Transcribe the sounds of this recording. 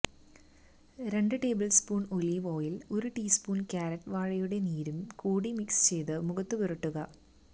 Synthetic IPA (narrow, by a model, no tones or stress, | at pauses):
ɾe̞ɳɖɨʈe̞ːbɐlspuːɳoliʋoːjiloɾuʈiːspuːɳkʲaːɾɐʈːʋaːɻɐjuɽe̞niːɾumkuːɽimikst͡ɕe̞jðɨmuɣɐt̪ːɨpoɾɐʈːuɣɐ